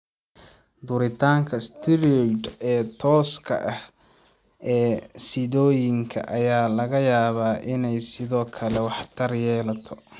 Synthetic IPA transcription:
d̪ʊɾɪt̪ʰaːŋkʰɐst̪ʰɪɾɔd̪ɛːt̪ʰɔːskʰɐ̰ʔɐh | ɛːsɪðɔːjɪŋkʰɐ̰ʔɐjaːlɐɣɐjaːβaːʔɪnɛjsɪðɔːkʰɐlɛwɑħt̪ʰɐrjɛːlɐt̪ʰɔ

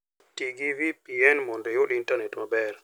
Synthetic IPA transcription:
tiɡivipiɛnmɔndɛjoɗintanɛtmabɛr

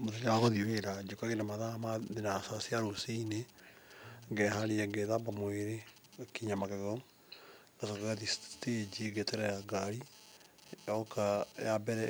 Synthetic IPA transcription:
mot̬eɲaaɣɔðiweɾad͡ʒokaɣenamaðamaðenasasiaɾoseine | ŋɡɛhaɾiɛɡɛðabamoeɾe | kiɲamakɛɣɔ | nasɔkaɣatisted͡ʒiɡɛtɛɾɛjaɡaɾi | okajabɛɾɛ

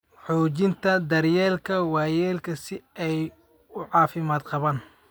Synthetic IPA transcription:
ħɔːt͡ʃɪnt̪ʰɐd̪ɐrjɛːlkʰɐwɑːjɛːlkʰɐsɪɛj | ʊʕɑːfɪmaːd̪qɑβaːn

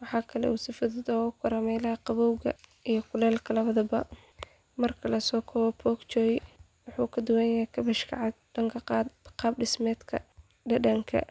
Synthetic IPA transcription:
wɑħɑːkʰɐlɛ̰uːsɪfɐðɪd̪ɔːʊkʰʊɾɐmɛːlɐɦɐqɑβɔwɣɐ̰ijɞkʰʊlɛːlkʰɐlɐβɐðɐbɐ | mɐrkʰɐlɐsɔːkʰɔːβɐpʰɔːkt͡ʃɔːjɪ | wɑħuːkʰɐd̪ʊwɛːjɐɦɛkʰɐβɐʃkʰɐ̰ʕɑd̪̚ɖɐŋkʰɐqɑd̪qɑːb̚ɖɪsmɛːd̪kʰɐ̰ | ɖɐɖɐŋkʰɐ̰

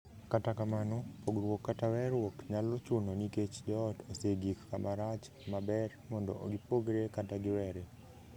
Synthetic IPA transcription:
katakamanɔpoɡɾwokːatawɛɾwokɲalot͡ʃʊnoniket͡ʃd͡ʒɔtoseɡikkamaɾat͡ʃ | mabɛrmɔndɔ̰ʔoɡipoɡɾekataɡɪwɛɾe

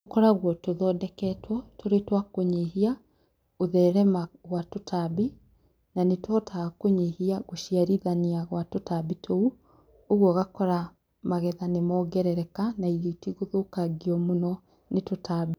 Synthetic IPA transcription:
okɔɾaɣwɔtoðɔːdɛkɛtwɔtoɾetwakoɲiɦia | oðɛɾɛmaɣwatotʰabi | nanetwɔtʰakoɲihiaɣoʃiaɾiðaniaɣwatotabitʰou | oɣwɔɣakɔɾa | maɣɛðanemɔːɡɛɾɛɾɛkanaiɣitiɣoðokaɡiɔmonɔ | netotabi

